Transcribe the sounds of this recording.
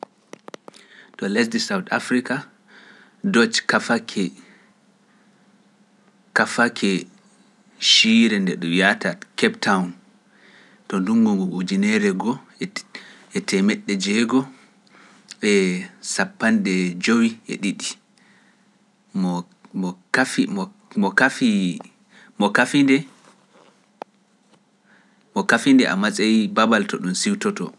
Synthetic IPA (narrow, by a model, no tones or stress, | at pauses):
tɔlɛs̬disawta̰fɾika | dɔt͡ʃkafakʰɛ | kafakʰɛ | ʃiɾɛndɛɗɔjatakɛptʰawn | tɔnduŋɡuŋɡuʔud͡ʒinɛɾɛɡɔ | ɛtɛmɛɗːɛd͡ʒɛɡɔ | ɛsapːanɗɛd͡ʒowiʔɛ̰ɗiɗi | mɔ | ɔkafimɔ | mɔkafi | mɔkafindɛ | mɔkafindɛʔa̰masʼajibabaltɔɗumsiwtɔtɔ̰